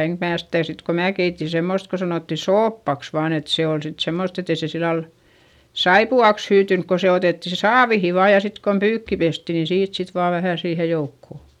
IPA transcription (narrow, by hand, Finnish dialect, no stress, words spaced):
eŋk mæː sitæˑ sit ko mæː keiti semːost ko sɑnoˑtːi soːpːɑks ʋɑːn et se ol sit semːost et e se silːɑl sɑipuɑks hyːtynk ko se oteˑtːi si sɑːʋihi ʋɑː jɑ sit kon pyːkːi pesti niːn siːt sit ʋɑː ʋæhæˑ siːhe joukːo